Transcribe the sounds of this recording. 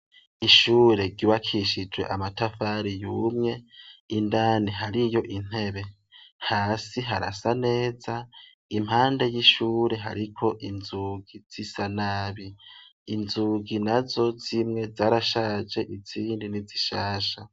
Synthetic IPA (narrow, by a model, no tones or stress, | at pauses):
iʃuːɾe̞ɡiβakʰiʃid͡ʒwe̞̰ʔamatafaːɾijuːmŋe̞indaːniɦaɾijo̞ʔin̥he̞βe̞ | haːsiɦaɾa̰sane̞ːza | im̥haːnde̞jiʃuːɾe̞ɦa̰ɾikʰo̞ʔinzuːɡiz̥isanaːβiː | nzuɡinazo̞zimŋe̞zaːɾaʃad͡ʒe̞ʔiz̥iːndiniziʃaːʃa